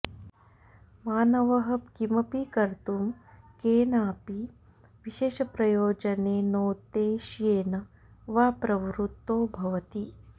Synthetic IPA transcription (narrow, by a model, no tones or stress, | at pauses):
maːnɐʋɐɦɐpkimɐpikɐɾt̪umkeːnaːpi | ʋiʃeːʃɐpɾɐjoːd͡ʒɐneːnoːt̪eːʃjeːnɐ | ʋaːpɾɐʋɾut̪ːoːbʱɐʋɐt̪i